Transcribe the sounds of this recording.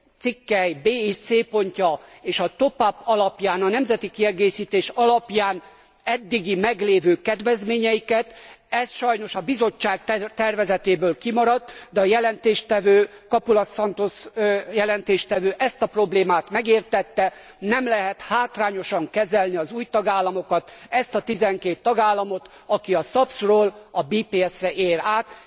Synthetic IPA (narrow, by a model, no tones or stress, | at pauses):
t̪sikːɛjbeːit̪seːpo̞ɲcɒeːʃɒt̪o̞papɒlɒpjaːnɒnɛmzɛt̪ikiɛɡeːʃiːt̪eːʃɒlɒpjaːn | ɛd̪ːiɡimɛɡleːvøːkɛd̪vɛzmeːɲɛjikɛt̪ɛsʃɒjno̞ʃɒbizo̞t͡ʃːaːɡ̪̚t̪ɛrvɛzɛt̪eːbøːlkimɒɾɒt̪ːd̪ɛɒjɛlɛnt̪eːʃt̪ɛvøːkɒpulɒsɒnt̪osjɛlɛnt̪eːʃt̪ɛvøːʔɛst̪ɒpro̞bleːmaːt̪mɛɡeːrt̪ɛt̪ːɛ | nɛmlɛɦɛt̪haːt̪raːɲo̞ʃɒŋkɛzɛlniɒzuːjt̪ɒɡaːlːɒmo̞kɒt̪ɛst̪ɒt̪izɛŋkeːt̪ːɒɡaːlːɒmo̞t̪ | ɒkiɒsɒpsroːlɒbiːpeːɛsrɛʔeːɾaːt̪